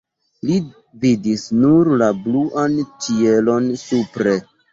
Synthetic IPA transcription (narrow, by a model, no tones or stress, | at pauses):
li | vidisnuɾlabluʔant͡ʃielo̞nsupɾe̞